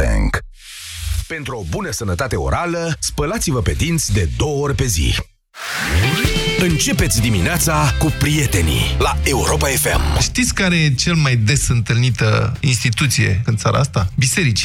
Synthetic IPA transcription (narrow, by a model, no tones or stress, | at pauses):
ḛŋk | pe̞nt̪ɾuobunəsənət̪at̪e̞o̞̰ɾʔaləspəlat̪sivəpe̞d̪int̪sʲd̪e̞d̪o̞wəoɾʲpe̞zḭ | ɨnt͡ʃe̞pe̞t̪sʲd̪imineat̪sakupɾije̞t̪e̞nḭlae̞uɾo̞pae̞fe̞̰mʃt̪it̪sʲkaɾet͡ʃelmajd̪e̞sɨnt̪ɨlnit̪əinst̪it̪ut̪sije̞̰ɨnt̪saɾʔa̰ast̪abise̞ɾit͡ʃi̥